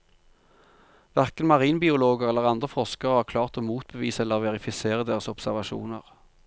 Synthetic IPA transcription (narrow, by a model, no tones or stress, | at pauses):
ʋæʁkənmɑʁiːnbɪʊloːɡəʁɛlːəʁɑnd̪ʁəfɔʁskəʁəhɑːʁkʰlɑːʁt̪oːmuːt̪̚bəʋiːsɛlːəʁʋɛʁɪfɪseːʁəd̪eːʁəsɔpsæʁʋɑʃṵːnə̰ʁ